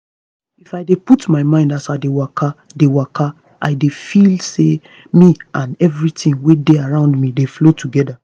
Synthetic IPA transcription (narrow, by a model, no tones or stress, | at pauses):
ifaɪdeputmaɪmãɪ̃ndasaɪdewakʰa | dewakʰa | ʔa̰ɪdefilse | miãnɛvɹitĩŋwedeaɹãʊ̃ndmĩdeflotʰuɡɛda